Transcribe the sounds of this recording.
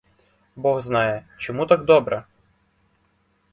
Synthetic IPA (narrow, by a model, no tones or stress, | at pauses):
bɔɣznɑjɛt͡ʃɔmut̪aɡd̪ɔbɾɐ